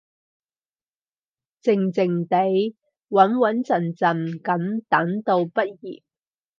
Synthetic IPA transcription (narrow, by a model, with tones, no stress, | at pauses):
t͡sɪ˧ŋt͡sɪ˨ŋt̪e˨˥j | wɐ˨˥nwɐ˨˥nt͡sɐ˨˩nt͡sɐ˨˩nkɐ˨˥mt̪ɐ˨˥ŋt̪o˧wpɐ˥t̚jḭː˨˩t̚